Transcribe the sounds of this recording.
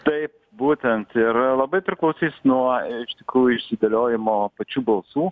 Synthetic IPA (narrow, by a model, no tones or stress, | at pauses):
t̪ɐɪp̚ | buːt̪ʲɛnt̪ɪɾlˠɐbɐɪpʲɾʲɪklˠɐʊsʲiːsnuɔɪʃt̪ʲɪkɾuːjʊɪʃʲsʲɪd̪ɐlʲoːjɪmoːpɐt͡ʃʲuːbɐlˠsuː